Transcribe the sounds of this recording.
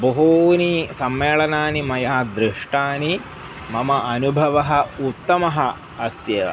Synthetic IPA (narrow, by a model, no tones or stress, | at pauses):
bɐɦoːnisɐmːeːɭɐnaːnimɐjaːd̪ɾiʂʈaːni | mɐmɐʔɐnubʱɐʋɐɦɐ̆ut̪ːɐmɐɦɐ̆ | ɐst̪jɐːʋɐ̰